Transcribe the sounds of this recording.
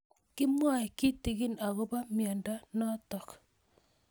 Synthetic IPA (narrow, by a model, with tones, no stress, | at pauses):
kɪ˦mwa˦˨ki˦ti˨ɡi˦na˨ɣo˦ba˦mja˨nda˦nɔ˦tɔ˨k